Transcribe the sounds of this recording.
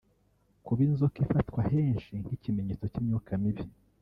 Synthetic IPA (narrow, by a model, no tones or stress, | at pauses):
kuβinzokifatkwahe̞ːnʃin̥hicime̞ɲet͡so̞cimɲuːkʰamiβi